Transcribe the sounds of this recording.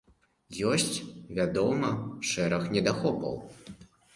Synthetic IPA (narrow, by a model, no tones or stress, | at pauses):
jɔsʲt͡sʲvʲad̪ɔmɐʂɛɾɐxnʲɛd̪axɔpɐ̰w